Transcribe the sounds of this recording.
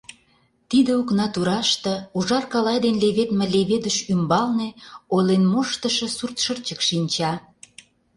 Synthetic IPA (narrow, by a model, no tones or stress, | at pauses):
t̪id̪ə̆uknɑt̪uɾɑʃt̪ə̆uʒɑrkɑlɑjd̪enleβet̪mĕleβed̪əʃymbɑlnĕolenmoʃt̪ə̆ʃə̆surt̪ʃərt͡ɕəkʃinʲt͡ɕɑ